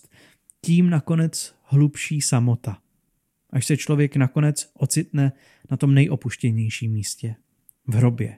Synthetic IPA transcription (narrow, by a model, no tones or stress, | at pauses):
t̪ | ciːmnako̞nɛt͡s | hlupʃiːsamo̞t̪a | ʔaʃsɛt͡ʃlo̞vjɛknako̞nɛt͡sʔo̞t͡sɪt̪nɛ | nat̪o̞mnɛjʔo̞puʃcɛɲɛjʃiːmːiːscɛ | vɦɾo̞bjɛ̰